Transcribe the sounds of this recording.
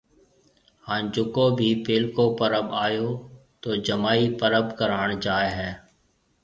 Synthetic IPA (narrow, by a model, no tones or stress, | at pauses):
hãːd͡ʒʊkõːbʱiːpɪːlkõːpəɾəbaːjoːt̪oːd͡ʒəmaːipəɾəbkəɾaːɳd͡ʒaːeɦɛː